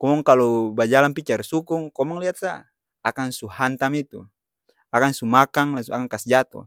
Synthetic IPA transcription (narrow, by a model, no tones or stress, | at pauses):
kɔmɔŋkalɔbad͡ʒalanpit͡ʃarsukuŋkɔmɔŋliat̪̚sa | akansuhant̪amit̪ṵ | akaŋsumakaŋlaŋsuakaŋkasd͡ʒat̪ɔ̰